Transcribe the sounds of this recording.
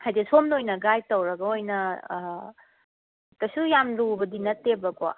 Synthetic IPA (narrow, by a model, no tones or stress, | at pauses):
hajdesomnojnɐɡajtɐwɾɐɡɐojnɐ | tɐsujamdubɐdinɐtːebɐko̰